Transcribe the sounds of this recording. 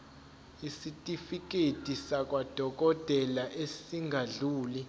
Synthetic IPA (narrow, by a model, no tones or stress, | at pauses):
isitʼifik̬ʼetʼisakʼwad̥ʱɔk̬ʼɔd̥ʱɛlaʔesiŋɡʱaɮuːli